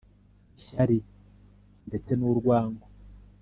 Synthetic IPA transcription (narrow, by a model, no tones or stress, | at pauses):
iʃaɾi | nde̞t͡se̞nuɾɡwaːŋɡo